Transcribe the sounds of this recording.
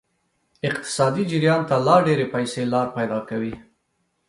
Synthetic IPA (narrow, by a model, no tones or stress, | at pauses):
ɪq̚t̪ɪ̥sɑd̪id͡ʒɪɾjɑnt̪alɑɖeɾepajselɑɾpajd̪ɑkawi